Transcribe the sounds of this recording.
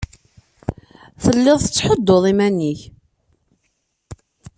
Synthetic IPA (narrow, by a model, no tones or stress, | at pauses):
θəlːɪðˤθət͡sːħəd̪ːoðˤimænːiç